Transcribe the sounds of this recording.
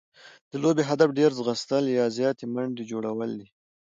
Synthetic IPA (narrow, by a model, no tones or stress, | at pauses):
d̪̥əlobeɦad̪afɖeɾzɣəst̪əljɑzjɑt̪emaɳd̪ed͡ʒoɽawəld̪i